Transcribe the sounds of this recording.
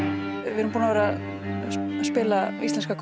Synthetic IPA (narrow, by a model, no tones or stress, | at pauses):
vɪɾʏmpunavɛːɾa | spɪːlaist̪ɛnskakʰ